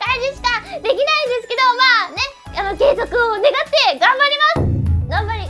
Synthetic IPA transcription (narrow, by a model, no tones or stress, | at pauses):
kaid͡ʑiɕi̥kad̪e̞kʲinaĩnd̪e̞sɨ̥ke̞d̪o̞maːne̞ | anoke̞ːzokɯ̟one̞ɡat̪ːe̞ɡãmbaɾʲimasɨ̥ɡ̥ãmbaɾʲi